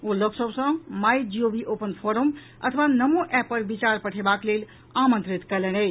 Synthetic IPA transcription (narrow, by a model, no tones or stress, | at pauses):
oləksəbsə̃majd͡ʒiobiʔopənpʰoɾəm | ə̰t̪ʰəʋanəmoʔɛpːəɾbit͡ʃaɾpəʈʰebaklel | amə̃nt̪ɾit̪kɛlɛnə